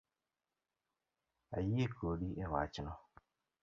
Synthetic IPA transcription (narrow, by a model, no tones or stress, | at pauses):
a̰jiekoɗiʔewa̰t͡ʃɪnɔ